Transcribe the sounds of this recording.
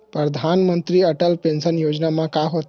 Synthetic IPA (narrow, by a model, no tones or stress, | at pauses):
pɾəd̪ʱanmənt̪ɾiːəʈəlpensənjod͡ʑnamãkaɦot̪